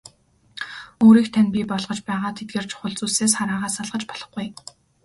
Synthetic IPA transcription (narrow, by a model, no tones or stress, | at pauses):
oːɾiːkt̪ʰænpʲipɔɮʁɞ̆t͡ɕpæːʁaːt̪ʰet̪̚ɡeːrt͡ɕʰʊ̥χə̆ɮt͡suːseːs̬χaɾaːʁaːsaɮʁə̆t͡ɕpɔɮɞ̆χɡuj